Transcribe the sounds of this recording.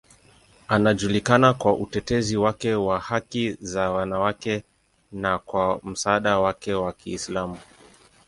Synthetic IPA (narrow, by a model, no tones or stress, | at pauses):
anaʄulikanakwaʔutɛtɛziwakɛwahakizawanawakɛ | nakwam̩saːɗawakɛwakiːslamu